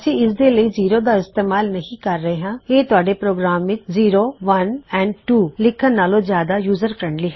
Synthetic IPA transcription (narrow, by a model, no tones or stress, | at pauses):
sĩːɪsd̪eːləiːziːɾoːd̪aːɪst̪eːmaːlnəɦĩːkəɾːəeːɦãːeːt̪ʊaːɖeːpɾoːɡɾaːmʋɪt͡ʃziːɾoːʋənɛ̃ːɳɖʈuːlɪkʰːənːaːlõːzjaːd̪aːjuːzəɾkəɾəɳliːɦ